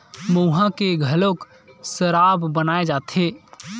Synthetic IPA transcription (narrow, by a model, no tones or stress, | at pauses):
mowɦãkeɡʱəlok | səɾabbənaed͡ʒat̪ʰe